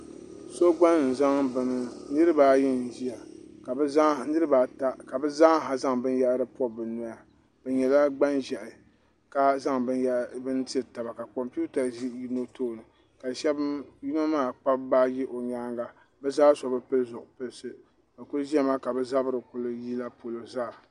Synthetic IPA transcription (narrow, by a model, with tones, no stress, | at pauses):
so˦ɡ͡ba˦n˨n̩˨za˦ŋbɨ˨nɨ˦nɨ˦ɾɨ˦baː˦jɪ˦n˨ʒi˦ja˨ka˨bɛ˦za˦nɨ˦ɾɨ˦ba˨ta˦ka˨bɛ˦za˦ŋɦa˨za˦ŋbɨ˦n˦ja˦ɾɨ˦pɔ˦bɨ˨nɔ˦ja˨ | b̥ɛ˨ɲɛ˨la˦ɡ͡ba˦nʒɛ˨ʔɪ˨ | ka˦za˦ŋ˦˨bɨ˦nti˦ɛ˨ta˨ba˨ka˨kɔ˨mpi˦u˦ta˨˦ji˦no˦toː˦˨nɨ˨ | ka˨ʃɛ˦bji˦na˦maː˦˨k͡pa˦bba˦ji˦ʔo˨ɲaː˦ŋɡa˨ | bɛ˦zaː˦sɔ˨bɨ˦pɨ˦lzʊ˨ʔʊ˨pɨ˦lsɨ˦ | ba˨kʊ˦lʒi˦ɛ˦maː˦ka˨bɛ˦za˦bɨ˦ɾɨ˨kʊ˦lɨ˦ji˦la˦po˨lo˨za˦˨